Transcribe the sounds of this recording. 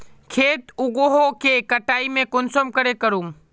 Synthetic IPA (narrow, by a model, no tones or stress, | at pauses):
kʰeːt̪ʊɡoɦokekɐʈaːimẽkʊnsomkəɾekɐɾuːm